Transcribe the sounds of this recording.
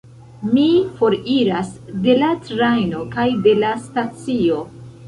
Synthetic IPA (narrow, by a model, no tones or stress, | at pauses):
mifo̞ɾiɾasde̞latɾajno̞kajde̞lastat͡sio̞